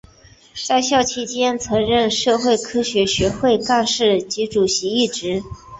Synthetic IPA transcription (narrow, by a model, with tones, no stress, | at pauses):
t͡sa˥˧ɪɕjɑ˥˧ʊt͡ɕʰi˥t͡ɕjɛ˥nt͡sʰɤ˧˥ŋɻə˥˧nʂɤ˥˧xwe˥˩ɪkʰɤ˥ɕɥɛ˧˥ɕɥɛ˧˥xwe˥˧ɪka˥˧nʂɻ̩˥˩t͡ɕi˧˥ʈ͡ʂu˨˩ɕi˧˥i˥˩ʈ͡ʂɻ̩˧˥